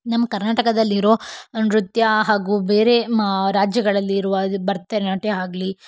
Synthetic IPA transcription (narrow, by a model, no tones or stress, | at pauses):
nɐmːɐkɐɾnaːʈɐkɐd̪ɐlːiɾoːɐnɾut̪jɐɦaːɡube̞ːɾe̞ɾaːd͡ʒjɐɡɐɭɐlːiɾuʋɐbɐɾt̪ːeːnaːʈeɦaːɡli